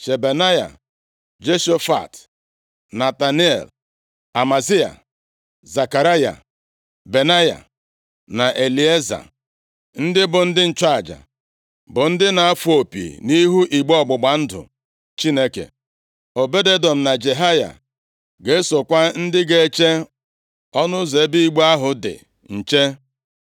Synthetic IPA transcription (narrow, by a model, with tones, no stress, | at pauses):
t͡ʃe˨be˨na˦ja̰˨ | d͡ʒe˦ʃo˦fa̰˨t | na˨ta˨ni˦ḛ˨l | a˨ma˨zi˦a̰˨ | za˨ka˨ɾa˦ja̰˨ | be˨na˦ja̰˨ | na˨ʔe˨li˨e˦za̰˨ | n̩˦dɪ˦bʊ˨n̩˦dɪ˦n̩˨t͡ʃa˦a˨d͡ʒa̰˨ | bʊ˨n̩˦dɪ˦na˨a˦fu˦˨o˨pḭ˨ni˦ɦu˦ʔi˨ɡ͡bɔ˦ɡ͡bʊ˨ɡ͡ba˨n̩˦dʊ̰˨ | t͡ʃi˦ne˦kḛ˨ | o˨be˦de˦dɔ˨m̩˨na˨d͡ʒe˨ɦa˦ja̰˨ | ɡe˨˦so˨kʷa˦n̩˦dɪ˦ɡe˦˨˦t͡ʃe˦ | ɔ˦nʊ˦ze˨˦bi˦i˦ɡ͡ba˦ɦʊ˨dɪ̰˨ | n̩˨t͡ʃe˦